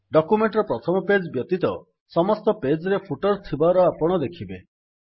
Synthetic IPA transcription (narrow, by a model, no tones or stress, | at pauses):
ɖɔkumeɳʈɾɔpɾɔt̪ʰɔmɔped͡ʒbjɔt̪it̪ɔ | sɔmɔst̪ɔped͡ʒɾepʰuʈɔɾt̪ʰibaɾɔapɔɽ̃ɔd̪ekʰibe